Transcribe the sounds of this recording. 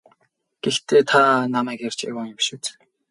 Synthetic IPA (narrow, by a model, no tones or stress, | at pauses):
ɡ̥ext̪ʰeːt̪ʰanamæːkar̥ʲt͡ɕḛwɔŋɪmʃuːt͡s